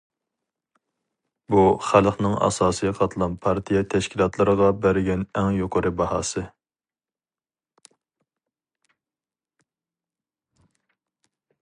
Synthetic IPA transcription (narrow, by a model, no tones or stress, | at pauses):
buχælˠχnɨŋɑ̰sɑːsɨjɑqʰɑt̪ʰlˠɑnpʰɑɾt̪ʰijɛt̪ʰɛʃkʲʰilˠɑt̪ʰlˠɨɾəʁɑbæɾɪɡʲɛnɛŋjoqʰəɾɨbɑhɑ̰ːsɨ